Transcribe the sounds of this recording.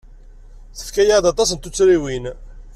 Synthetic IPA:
θə̥fkæjad̪ɑt̪ˤɑs̬ənt̪ut͡sːɾiwin

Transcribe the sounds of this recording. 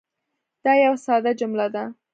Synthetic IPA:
d̪̥ɑjawsɑd̪ad͡ʒʊmlad̪a

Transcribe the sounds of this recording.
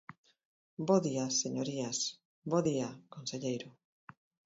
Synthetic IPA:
boðiaseɲoɾias | boðiakonseʎejɾo

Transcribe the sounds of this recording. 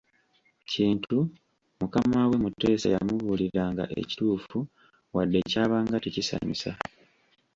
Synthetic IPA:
ciːntʰu | mukamawe̞mutːe̞ːsa̰ja̰muβuːliɾaːŋɡa̰ʔḛci̥tuːfu | wadːe̞caːβaːŋɡatecisa̰ɲisa

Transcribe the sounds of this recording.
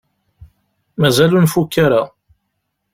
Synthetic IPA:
mæzælunfukːaɾa

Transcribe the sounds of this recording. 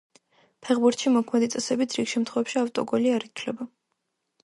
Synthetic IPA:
pʰɛʁbuɾt̪ʃimɔkʰmɛd̪it̪sʼɛsɛbit̪ʰɾiɡʃɛmt̪ʰχɔvɛpʃiaft̪ʼɔɡɔliaɾit̪ʰlɛba

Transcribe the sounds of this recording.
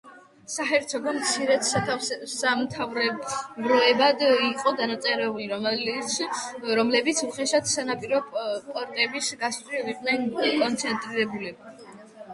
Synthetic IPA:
saɦɛɾt̪sʰɔɡɔmt̪sʰiɾɛt̪samt̪ʰavɾɛbɾɔɛbad̪iqʼɔd̪anat̪sʼɛɾɛuliɾ | ɾɔmlɛbit̪sʰuχɛʃat̪ʰsanapʼiɾɔpʼɔɾt̪ʼɛbisɡast̪ʼwiviqʼnɛnkʼɔnt̪sʰɛnt̪ʼɾiɾɛbulɛba

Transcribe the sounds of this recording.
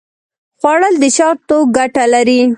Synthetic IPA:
xwɑɽəld̪əʃɑɾt̪oɡaʈalaɾi

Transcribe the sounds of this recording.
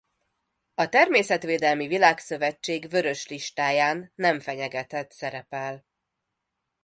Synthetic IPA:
ɒt̪ɛrmeːsɛt̪ʋeːd̪ɛlmivilaːksø̞vɛt͡ʃːeːɡvø̞ɾø̞ʃliʃt̪aːjaːnːɛɱfɛɲɛɡɛt̪ɛt̪sɛɾɛpɛl

